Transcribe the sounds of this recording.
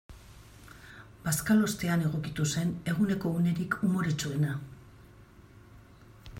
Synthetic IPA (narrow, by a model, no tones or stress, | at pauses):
b̥askalo̞st̪e̞ane̞ɣ̞o̞kit̪use̞ne̞ɣ̞une̞ko̞une̞ɾikʰumo̞ɾet͡sue̞na